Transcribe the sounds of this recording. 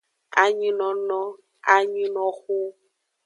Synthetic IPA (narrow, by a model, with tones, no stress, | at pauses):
a˨˦ɲi˦nɔ˨nɔ̃˦ | a˦ɲi˦nɔ̃˨xu˦